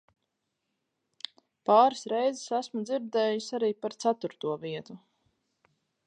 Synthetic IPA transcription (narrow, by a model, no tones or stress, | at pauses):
paːɾɨsɾɛjzɛsæsmud̪ziɾd̪ɛːjisʲaɾiːpaɾt̪sat̪uɾt̪uɔviɛt̪u